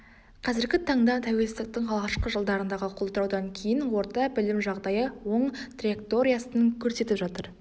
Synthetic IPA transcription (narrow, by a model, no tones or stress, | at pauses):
qʰɑzɪɾɡʲɪt̪ʰɑɴd̪ɑt̪ʰæwe̞lsɪzd̪ɪk̚t̪ɪŋɑlˠʁɑʃqəʒəlˠd̪ɑɾənd̪ɑʁəqʰo̞lˠt̪əɾɑwd̪ɑŋkʲʰe̞jɪnwo̞ɾt̪ɑbɪlɪmʒɑʁd̪ɑjəwo̞ɴt̪rijek̚t̪o̞ɾijasənŋkʲʰɵɾse̞t̪ɪpʒɑt̪əɾ